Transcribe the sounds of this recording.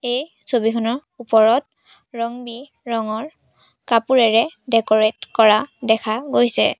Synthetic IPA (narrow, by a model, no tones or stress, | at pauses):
ej | sobikʰɔnɔɹ | upɔɹɔt̚ | ɹɔŋbi | ɹɔŋɔɹ | kapuɹɛɹɛdɛkɔɹetkɔɹadɛkʰaɡojsɛ̰